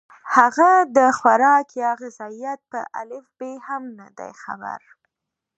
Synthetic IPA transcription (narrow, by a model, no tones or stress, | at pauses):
haɣad̪əxwaɾɑkjɑɣɪzɑijat̪̚pə̰ʔa̰lɪfbehamnad̪a̰jxa̰ba̰ɾ